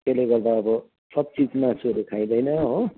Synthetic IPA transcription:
keleɡʌrd̪aʌbʌ | sʌb̚t͡sid͡zmasuɾukʰaj̃d̪ʌjnʌɦo

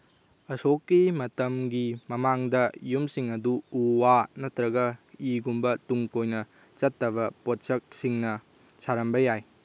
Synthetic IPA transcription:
ɐsokːimɐtɐmɡimɐmaŋdɐjumsiŋɐduuwanɐtɾɐɡɐiɡumbɐtuŋkojnɐ | t͡ʃɐtːɐβɐpot̚sɐk̚siŋnɐ | saɾɐmbɐjaj

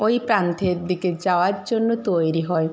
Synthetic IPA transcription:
oipɾant̪ʰeɾd̪iked͡ʒaoaɾd͡ʒonːut̪ojɾiɦɔe

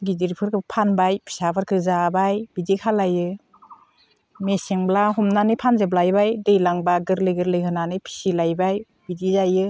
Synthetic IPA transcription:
ɡidiɾpʰɯɾkʰɯpʰanbajpʰi̥sapʰɯɾkʰɯzabajbidikʰalajɯ | meseŋblaɦɔmnanɯpʰanzeb̬lajbajdɯjlaŋbaɡɯɾlɯjɡɯɾlɯjɦʰɯnanɯjpʰi̥silajbaj | bidizajɯ

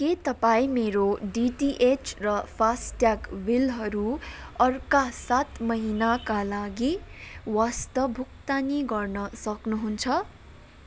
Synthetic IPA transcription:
ket̪ʌpaĩmeɾoɖiʈiʔet͡ʃrʌpʰasʈjakwilɦʌɾuʌrkasat̪mʌɦinakalaɡiwast̪ʌbʱuk̚t̪aneɡʌrnʌsʌknuɦunt͡sʰʌ

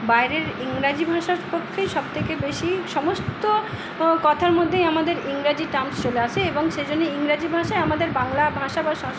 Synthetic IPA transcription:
bajɾeɾiŋɾad͡ʑibʱaʃaɾpokʰːeʃɔb̚t̪ʰekebeʃiʃɔmost̪o | kɔt̪ʰaɾmod̪ʱːejamad̪eɾiŋɾad͡ʑiʈamst͡ɕoleaʃʰeeboŋʃed͡ʑonːeiŋɾad͡ʑibʱaʃaeamad̪eɾbaŋlabʱaʃabaʃa

